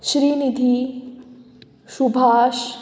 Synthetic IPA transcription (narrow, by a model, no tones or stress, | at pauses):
ʃɾiːnid̪ʱi | ʃubʱaːʃ